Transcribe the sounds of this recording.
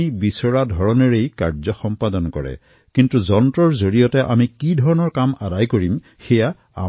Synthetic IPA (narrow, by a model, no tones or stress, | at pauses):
ibisɔɹadʱɔɹɔnɔɹejkaɹzɔxɔmpadɔnkɔɹɛ̰ | kintuzɔntɹɔɹzoɹijɔtɛʔa̰mikidʱɔɹɔnɔɹkamadajkoɹim | xɛja | a̰